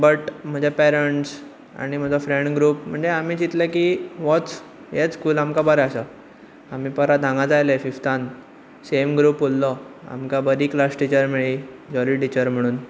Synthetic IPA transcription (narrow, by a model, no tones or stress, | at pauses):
bəʈm̤əd͡ʑʱapɛɾəɳʈs | a̰ɽ̃im̤əd͡zɔfɾẽɳɖɡɾuːpm̤əɳd͡zeam̤iːd͡ʑit̪ləkiːʋɔt͡s | jet͡skuːlamkabəɾɛəsə | am̤iːpəɾad̪ʱãŋɡad͡zajləefift̪an | semɡɾuːpolːɔa̰mkabəɾiːklasʈit͡ɕəɾmiɭiː | d͡ʑɔɾiːʈit͡ɕəɾm̤əɽ̃uːn